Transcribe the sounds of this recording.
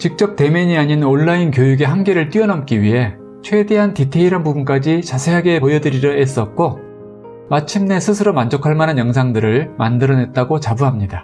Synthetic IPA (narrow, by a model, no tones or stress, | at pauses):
t͡ɕik̚t͡ɕ͈ʌp̚t͈e̞meɲiaɲinonːainkjojuɡe̞ɦamɡe̞ɾɯɭt͈ɥiʌnʌm̚k͈iɥiɦe̞ | t͡ɕʰwe̞de̞ɦantitʰe̞iɾanpubunk͈ad͡ʑit͡ɕasʰe̞ɦaɡe̞pojʌdɯɾiɾʌes͈ʌt̚k͈o | mat͡ɕʰimne̞sʰɯsʰɯɾomand͡ʑokʰaɭmanɦanjʌŋsʰaŋdɯɾɯɭmandɯɾʌne̞t̚t͈aɡot͡ɕabuɦamɲida